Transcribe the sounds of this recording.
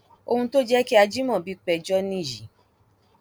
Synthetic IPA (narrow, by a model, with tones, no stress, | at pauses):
o˧hũ˧to˦d͡ʒɛ˦ki˦a˧d͡ʒi˦mɔ̃˦˨bi˨˦k͡pɛ˦˨d͡ʒɔ˦nĩ˦˨ji˨